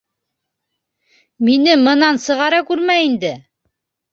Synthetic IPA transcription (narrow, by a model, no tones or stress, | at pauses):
minɘmɤ̆nɑnsɤ̆ʁɑɾɑkʉɾmæind̪ɘ